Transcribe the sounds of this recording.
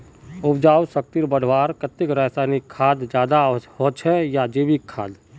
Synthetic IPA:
ʊpd͡ʒaːwsək̚t̪iɾbəɽ̤ʱwaːɾkət̪ɪkɾɛːsaːnikʰːaːd̪d͡ʒjaːd̪aɦoːt͡ʃʰɛjad͡ʒeːbikʰːa̰ːd̪

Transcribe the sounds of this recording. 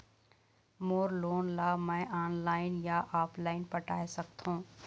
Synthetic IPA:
moːɾloːnlaːmɛ̃ʔaːnlaːɪnjaʔaːpʰlaːɪnpɐʈa̰ːesɐkt̪ɦũː

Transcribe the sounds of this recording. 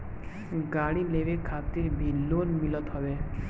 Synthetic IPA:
ɡaɽileʋekʰat̪iɾbʱilːonmilɔt̪ɦɔbe

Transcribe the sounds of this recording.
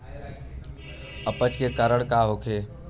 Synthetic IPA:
əpət͡ʃkekaɾəɽkaɦokʰeː

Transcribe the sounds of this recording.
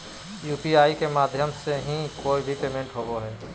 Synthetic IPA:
juːpiaːikemaːd̪ʱjəmseɦĩkoːibʱipeːmẽɳʈɦoboɦɛː

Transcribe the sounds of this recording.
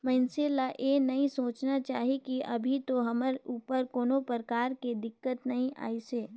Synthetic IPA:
mɛːnselaʔenɐɦĩsoːt͡ʃnat͡ʃaːɦikiɐbʱit̪oɦɐməɾuːpəɾkoːnopəɾəkaːɾked̪ɪkːət̪nɐɦĩʔa̰ːiseː

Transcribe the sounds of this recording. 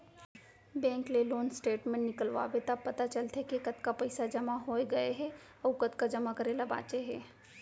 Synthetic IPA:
bɛ̃ːŋkleloːnsʈeːʈmẽnɪkəlʋa̰bet̪əbpɐt̪at͡ʃɐlt̪ɦɛkekɐt̪kapɐɪsad͡ʒɐmaɦoːeɡɐeɦɛ | ɔːkət̪kad͡ʒɐmakɐɾeːlaba̰ːt͡ʃeɦɛː

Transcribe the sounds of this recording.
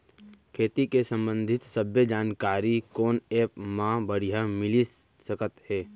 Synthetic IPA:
kʰeːt̪ikesə̃mbə̃nd̪ʱɪt̪səbjəd͡ʒaːnkaːɾikoːneːpmãbəɽ̤ijamɪlis | səkət̪hɛː

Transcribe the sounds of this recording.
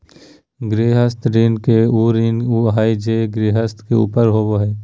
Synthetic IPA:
ɡɾeːɦəst̪ɾɪnkeuːɾɪnɦaːid͡ʒeːɡɾeːɦəst̪keṵːpəɾɦoːboɦɛː

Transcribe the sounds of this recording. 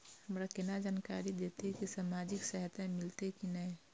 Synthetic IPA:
həmɾakenad͡ʒaːnkaɾid̪et̪ekisaːmaːd͡ʒɪksəɦt̪ãmɪlt̪ekinəɛ

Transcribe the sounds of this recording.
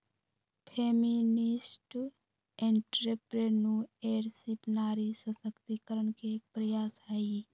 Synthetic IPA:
pʰeminɪsʈ | ẽɳʈɾepɾeːnũeːɾsipnaːɾisəsəkt̪ikəɾənkek̚pɾəjaːsɦai

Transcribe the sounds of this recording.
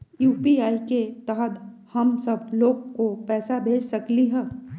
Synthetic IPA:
juːpiaːiket̪ɐɦəd̪hɐmsɐb̚loːɡkopɛːsabʱeːd͡ʒsɐkliɦɛː

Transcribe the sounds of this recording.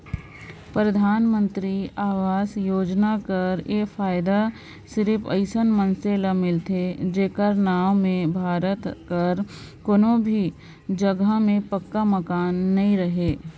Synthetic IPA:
pɾəd̪ʱaːnmə̃nt̪ɾiaːʋaːsjoːd͡ʒnakɐɾeːkfaːjɪd̪a | sɪɾɪpʰə̰ɪsənmənseːlamɪlt̪ʰed͡ʒeːkəɾnaːʋmẽbʱaːɾət̪kəɾ | koːnõbʱi | d͡ʒəɡamẽpəkːamɐkaːnːɐɦĩɾəɦeː

